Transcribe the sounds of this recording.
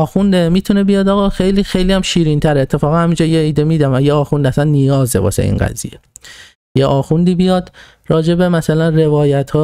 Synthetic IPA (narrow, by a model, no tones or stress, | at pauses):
ɒːxund̪emiːt̪ʰunebijɒːd̪ɒːɣɒːxejliːxejliːæmʃiːɾint̪ʰæɾeet̪ʰːe̞fɒːɣænhæmind͡ʒɒːjeiːd̪emiːd̪æmæjeɒːxund̪æsænːijɒːzḛbɒ̰ːʃḛḭːnɡæ̰zḭje̞̰ | jeʔɒːxund̪iːbijɒːd̪ | ɾɒːd͡ʒe̞be̞mæsælænre̞vɒːjæt̪ʰhɒː